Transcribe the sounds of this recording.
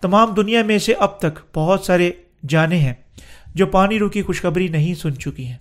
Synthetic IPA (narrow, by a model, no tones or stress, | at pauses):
t̪ɐmaːmd̪ʊnijamẽseʔɐb̚t̪ɐkb̥ɐɦʊt̪saːɾe | d͡ʒaːneɦɛ̃ː | d͡ʒoːpaːniɾuːkixʊʃxɐbɾinɐɦĩsʊnt͡ʃʊkiɦɛ̃ː